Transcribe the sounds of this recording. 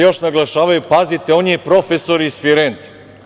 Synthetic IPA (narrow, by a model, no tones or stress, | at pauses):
jo̞ʃnaɡlˠaʃaːʋajupazit̪eoniepɾo̞fesoɾiːsfiɾent̪si̥